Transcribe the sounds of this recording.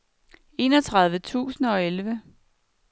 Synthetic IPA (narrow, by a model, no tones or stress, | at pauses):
e̝ːnɒt͡sʰʁɑ̈ð̞ˠʋət͡sʰṵːsn̩ɒ̽elʋə